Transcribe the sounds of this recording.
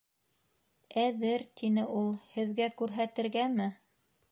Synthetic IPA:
æðɘɾt̪ʰinɘʔulˠhɘ̆ðɡækʉɾɦæt̪ɘ̆ɾɡæmɘ

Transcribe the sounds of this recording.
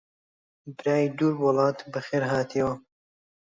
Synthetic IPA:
bɨɾaːjid̪uːɾwɑlɑːt̪bɐxeːɾɦaːt̪ʰijwɐ

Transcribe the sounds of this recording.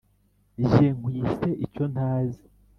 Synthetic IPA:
ʒeŋɡwiːseʔico̞n̥aːzi

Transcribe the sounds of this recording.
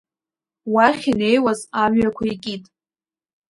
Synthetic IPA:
waχʲine̞jwazamɥakʷʰaikʲʼitʼ

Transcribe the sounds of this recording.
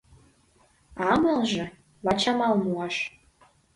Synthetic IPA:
ɑməlʒɤ̆ | βɑt͡ɕɑmɑlmuɑʃ

